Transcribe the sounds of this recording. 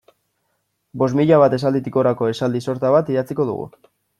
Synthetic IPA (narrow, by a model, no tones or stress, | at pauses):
bo̞zmiʎaβ̞at̪e̞s̬ald̪it̪iko̞ɾako̞e̞sald̪iso̞ɾt̪aβat̪iɾat͡siko̞ðṵɣṵ